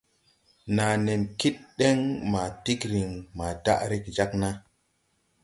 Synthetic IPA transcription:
na˨ne˨nki˦t̚ɗe˦ŋma˨ti˦kɾi˨ŋma˨da̰˦ʔɾi˦kd͡ʒa˦kna˦

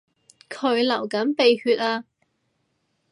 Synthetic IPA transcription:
kʰɵ˨˧ɥlɐ˨˩wkɐ˨˥npe˨˧jhyː˧t̚aː˧

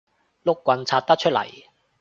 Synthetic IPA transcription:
lʊ˥kːʷɐ˧nt͡sʰaː˧t̚t̪ɐ˥t͡ʃʰɵ˥t̚lɐ̰˨˩j

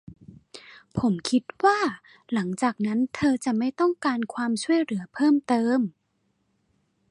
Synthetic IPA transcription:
pʰo˩˦mkʰi˦˥t̪̚waː˥˩ | la˩˦ŋt͡ɕaː˨˩k̚na˦˥nt̪ʰɤː˧t͡ɕa˨˩ma˥˩jt̪ɔ˥˩ŋkaː˧nkʰwaː˧msu˥˩əjlɯ˩˦ɐpʰɤː˥˩˨mt̪ɤː˧m

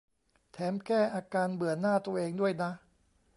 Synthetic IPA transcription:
t̪ʰɛː˩˦mkɛː˥˩ʔaː˧kaː˧nbɯ˨˩˦ənːaː˥˩t̪u˧əʔeː˧ŋdu˥˩əjna˦˥

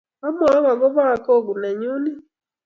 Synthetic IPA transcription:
a˦m˦a˨˦wa˨ɡo˦βa˦˨ko˦˨ɡu˨na˨ɲu˦ni˦

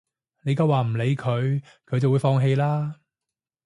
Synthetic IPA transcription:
ne˨˧jkɐ˧waː˨˩m̩˨˩le˨˧jkʰɵ˨˧ɥ | kʰɵ˨˧ɥjt͡sɐ˨wu˨˧˥fɔː˧ŋɦe˧jlaː˥

